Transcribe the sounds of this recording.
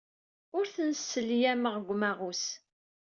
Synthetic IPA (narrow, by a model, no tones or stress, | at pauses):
ʊɾθənsːəljæməʁɡʷmæʁus